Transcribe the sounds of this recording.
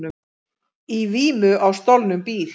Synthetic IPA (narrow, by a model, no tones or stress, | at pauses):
ʏ | iviːmʏʔawst̪ɔwlnʏmpiːl